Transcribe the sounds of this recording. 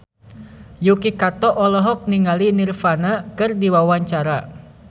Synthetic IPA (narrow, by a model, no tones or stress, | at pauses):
jukikat̪ɔʔɔlɔɦɔk̚niŋalinirfanakɨrdiwawaɲt͡ʃaɾa